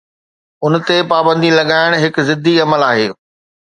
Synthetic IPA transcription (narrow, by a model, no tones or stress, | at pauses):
ʊnt̪epaːbə̃nd̪ilɐɠaːɪɽ̃ɦɪkzɪd̪ʱiɐməlaːɦeː